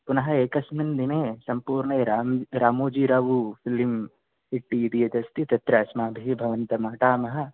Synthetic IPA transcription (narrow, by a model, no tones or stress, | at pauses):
punɐɦɐ̆eːkɐsmind̪ineːsɐmpuːɾɳɐɾamɾaːmoːd͡ʒiːɾaːʋufʰilim | iʈːiːd̪ijɐd͡ʒ̪ɐst̪it̪ɐt̪ɾɐɐsmaːbʱibʱɐʋɐnt̪ɐmaːʈaːmɐɦɐ̆